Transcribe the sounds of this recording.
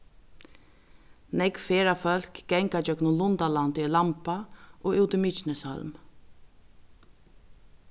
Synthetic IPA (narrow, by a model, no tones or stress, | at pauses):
nɛkfeːɾafœl̥kɡɛŋkad͡ʒœknʊlʊnt̪alant̪ɪlampaʔɔuwt̪ɪmɪt͡ʃnəshœ̰lm